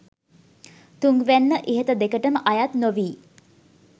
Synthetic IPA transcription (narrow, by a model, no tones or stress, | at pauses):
t̪uŋɡʋænːəʔiɦət̪əd̪ekəʈəməʔajat̪noʋiː